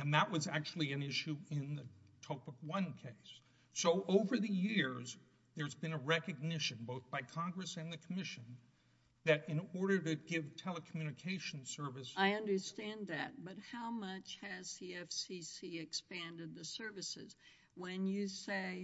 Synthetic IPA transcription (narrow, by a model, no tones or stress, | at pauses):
ɨ̃nðəʔ̚wʌzæk̚t͡ʃul̩ˠiɨ̃nɪʃʉɪ̃nðɨtʰoʊpəkwʌ̃nkʰeɪsː | oʊʔoʊvə˞ðɨjɪɹz | ðə˞zbɨ̃nɨɹɛkɨɡ̚nɪʃɨ̃nboʊθb̥aɪkʰɑ̃ŋɡɹɨsɨ̃nðɨkʰəmɪʃɨ̃n | ðɨɾɨ̃nɔɹɾə˞ɾɨɡɪv̥tʰɛlˠəkʰmjʉñɨkʰeɪʃn̩sɜ˞vɨsaɪʌ̃ndə˞stæ̃nðɨ̰t̚b̥ʌt̚haʊmʌt͡ʃhɨz̥siɛfsisiɨkspæ̃ndɨd̪̚ðɨsɜ˞vɨsɪ̰z̥ | wɨ̃njɨseɪ